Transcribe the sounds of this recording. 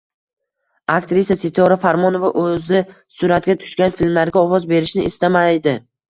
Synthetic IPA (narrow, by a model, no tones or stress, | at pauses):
akt̪ɾisijasɪt̪ʰɒɾafaɾmɒnovaʔɵzɪ | sʊɾat̪̚ɡʲat̪ʰʊ̥ʃkʲanfilmlaɾɡʲaɒwɒzbe̞ɾɪʃnɪʔɪst̪amajd̪ɪ